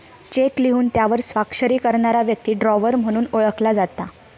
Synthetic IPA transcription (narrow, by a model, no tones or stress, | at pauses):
t͡ɕekliɦuːnt̪jaʋəɾsʋakʂəɾiːkəɾɳaɾaʋjək̚t̪iːɖɾɔʋəɾm̤əɽ̃uːnoɭəklad͡zat̪ːa